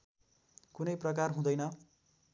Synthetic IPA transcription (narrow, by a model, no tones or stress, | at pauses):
kunʌjprʌk̬arɦũd̪ʌjnʌ